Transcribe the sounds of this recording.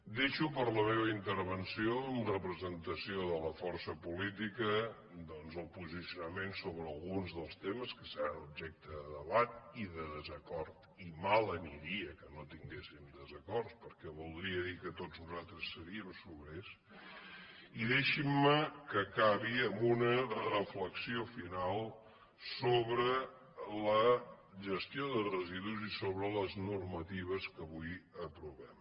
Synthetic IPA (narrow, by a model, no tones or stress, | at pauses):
d̪eʃupəɾləmeβəint̪əɾβənsioənrəpɾəzənt̪əsioðələfɔɾsəpulit̪ikə | d̪ɔnzəlˠpuzisiunəmensoβɾəːlˠɣunzðəlˠst̪eməskəsəɾanub̚ʒɛk̚t̪əðəðəβat̪̚iðəðəzəkɔɾt̪ | imalˠəniɾiəkənot̪iŋɡesimd̪əzəkɔɾspəɾkɛβulˠd̪ɾiəðikət̪oznuzalˠt̪ɾəsːəɾiəmsuβɾes | iðeʃimːəkəkaβiəmbunərəfləksiofinalˠ | soβɾə | lə | ʒəst̪ioðərəziðuzisoβɾələznurmət̪iβ̞əskəβujəpɾuβɛm